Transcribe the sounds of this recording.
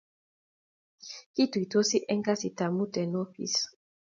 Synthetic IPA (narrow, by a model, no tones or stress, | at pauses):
kit̪uit̪osiʔeŋkasit̪amut̪enopḭs